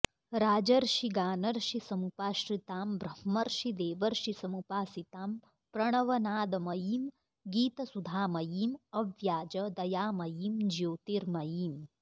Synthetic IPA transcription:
ɾaːd͡ʒɐɾʃiɡaːnɐɾʃisɐmupaːʃɾit̪aːmbɾɐhmɐɾʃid̪eːʋɐɾʃisɐmupaːsit̪aːm | pɾɐɳ̃ɐʋɐnaːd̪ɐmɐjiːm | ɡiːt̪ɐsud̪ʱaːmɐjiːmɐʋjaːd͡ʒɐd̪ɐjaːmɐjiːmd͡ʒjoːt̪iɾmɐjiːm

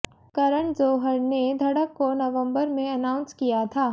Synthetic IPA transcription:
kɐɾəɳzoːɦəɾned̪ʱɐɽəkːonɐʋə̃mbəɾmẽɐnaːʊ̃nskijat̪ʰaː

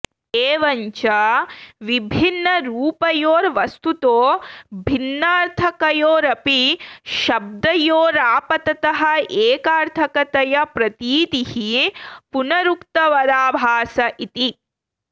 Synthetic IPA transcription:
eːʋɐɲt͡ʃɐʋibʱinːɐɾuːpɐjoːɾʋɐst̪ut̪oːbʱinːaːɾt̪ʰɐkɐjoːɾɐpiʃɐb̚d̪ɐjoːɾaːpɐt̪ɐt̪ɐɦɐ̆eːkaːɾt̪ʰɐkɐt̪ɐjɐpɾɐt̪iːt̪ihipunɐɾukt̪ɐʋɐɾaːbʱaːsɐʔit̪i

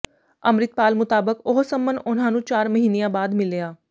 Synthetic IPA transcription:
əmɾɪt̪̚paːlmʊt̪aːbəkʊɦsəmbənʊnɦãːnũːt͡ʃaːɾməɦiːnejãːbaːd̪mɪleaː

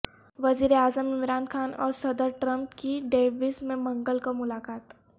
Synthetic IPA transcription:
ʋɐziːɾeaːzəmɪmɾaːnkʰaːnɔːɾsɐd̪əɾʈɾɐ̃mpkiɖeːʋismẽmɐ̃ŋɡəlkomʊlaːkaːt̪

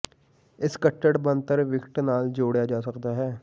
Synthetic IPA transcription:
ɪskəʈːəɽbənt̪əɾʋɪkʰʈnaːld͡ʒoːɽjaːd͡ʒaːsəkd̪aːɦɛː

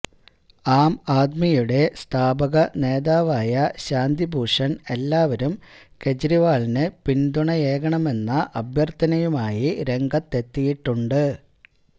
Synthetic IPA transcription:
aːmaːd̪mijuɽe̞st̪ʰaːbɐɣɐne̞ːðaːʋaːjɐɕaːnd̪ibʱuːʂɐne̞lːaːʋɐɾum | ke̞d͡ʑɾiʋaːɭinɨpind̪uɳɐje̞ːɣɐɳɐme̞nːɐʔɐbʱjɐrt̪ɐnɐjumaːjiɾe̞ŋɡɐt̪ːe̞t̪ːijiʈːuɳɖɨ

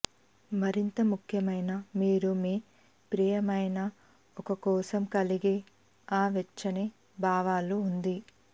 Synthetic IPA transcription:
mɐɾint̪ɐmukʰjɐmɐjnɐmiːɾumiː | pɾiːjɐmɐjnɐ | ɔkɐkɔːsɐmkɐliɡe | aːʋɛt͡ʃːɐneː | bʱaːʋaːluːnd̪i

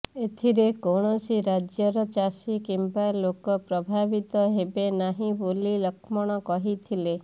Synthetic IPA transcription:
et̪ʰiɾekoɽ̃ɔsiɾad͡ʒjɔɾɔt͡ʃasikimbalokɔpɾɔbʱabit̪ɔɦebenaɦĩbolilɔkʰmɔɽ̃ɔkɔɦit̪ʰile

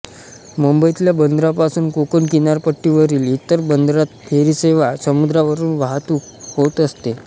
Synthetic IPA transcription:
məmbəjit̪iljabənd̪ɾapasuːnkokənkinaɾpəʈːiʋəɾiːlit̪əɾbənd̪ɾat̪̚fʰeɾiːseʋasəmud̪ɾaʋəɾuːnʋaɦt̪uːkhot̪əst̪e

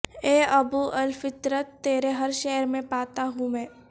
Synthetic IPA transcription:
eːɐbuʔɐlfɪt̪ɾət̪ːeːɾeɦɐɾʃɛːɾmẽpaːt̪aɦũmɛ̃ː

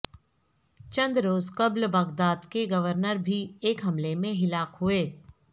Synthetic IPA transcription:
t͡ʃə̃nd̪ɾoːzkəblbɐɡd̪aːd̪keɡɐʋəɾnəɾbʱieːkɦɐmlemẽɦɪlaːqɦueː

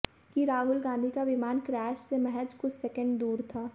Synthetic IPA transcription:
kiɾaːɦʊlɡãːnd̪ʱikaʋɪmaːnkɾɛːʃsemɛɦəd͡ʒkʊt͡ʃʰsɛkə̃ɳɖd̪uːɾt̪ʰaː

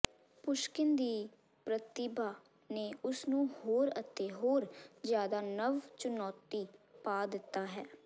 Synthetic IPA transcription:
pʊʃkɪnd̪iː | pɾət̪ɪbaː | neːʊsnũːhoːɾət̪ːeːɦoːɾd͡ʒjaːd̪aːnəʋt͡ʃʊnɔːt̪ːiːpaːd̪ɪt̪ːaːɦɛː

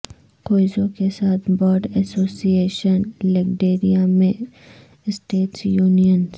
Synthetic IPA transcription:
koːɪzõkesaːt̪̚ʰbɔːɖɛsoːsieːʃənleɡɖeːɾijamẽ | sʈeːʈsjuːnijəns

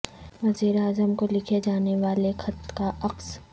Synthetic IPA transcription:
ʋɐziːɾeaːzəmkolɪkʰed͡ʒaːneʋaːlexʰɐt̪kaɐqs

